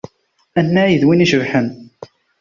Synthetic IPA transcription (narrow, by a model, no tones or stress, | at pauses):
ænːæjəðwiniʃəvħən